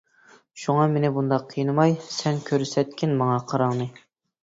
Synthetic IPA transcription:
ʃuŋɑmenɪbund̪ɑqʰːɨjnɨmɑjsɛnkʲʰøɾsɛt̪̚kʲɪnmɑŋɑqʰɑɾɑŋnɨ

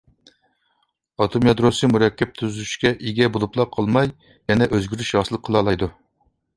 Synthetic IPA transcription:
ɑt̪ʰomjɑd̪ɾosɨmuɾɛkʲʰːɛp̚t̪ʰyzyʃkʲɛʔeɡʲɛbolˠuplˠɑqʰəlˠmɑj | jɛnɛʔøzɡʲyɾyʃjɑsɨlˠəkqʰːəlˠɑlˠɑjd̪u

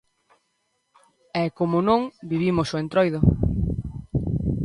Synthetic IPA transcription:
ɛkomonõŋbiβ̞imosoẽnt̪ɾojðo

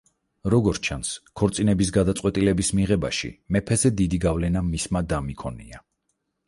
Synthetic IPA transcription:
ɾɔɡɔɾt͡ʃʰanskʰɔɾt̪sʼinɛbis̬ɡad̪at̪sʼwɛt̪ʼilɛbismiʁɛba̰ʃḭmɛpʰɛzɛd̪id̪iɡavlɛnamismad̪amikʰɔnḭa

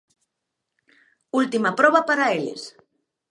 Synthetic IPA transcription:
ult̪imapɾɔβapaɾaelḛs

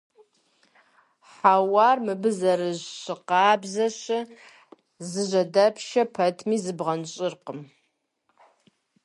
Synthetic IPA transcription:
ħawɑːrmɨbɨzɐɾɨʑɕɨqɑːbzɐɕɐ | zɨʑɐdɐpʰʃɐpʰɐtʰmiːzɨbʁɐnɕʼɪrqəm

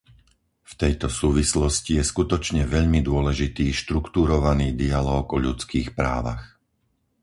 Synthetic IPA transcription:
ft̪ɛjt̪ɔsuːʋislɔscijɛskut̪ɔt͡ʃɲɛʋɛʎmid̪ʊɔlɛʒit̪iːʃt̪ɾukt̪uɾɔʋaniːd̪ialɔːɡɔʎut͡skiːxpɾa̰ːʋa̰x

